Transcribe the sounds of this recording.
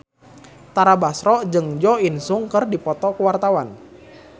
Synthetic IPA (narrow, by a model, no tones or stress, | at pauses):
t̪aɾabasɾɔd͡ʒɨŋd͡ʒɔinsuŋkɨrdipɔt̪ɔkəwart̪awan